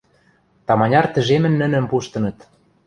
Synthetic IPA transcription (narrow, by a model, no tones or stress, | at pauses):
t̪ɑmɑnʲɑrt̪ə̆ʒemɘ̆nːə̆nə̆mpuʃt̪ɤ̆nɤ̆t̪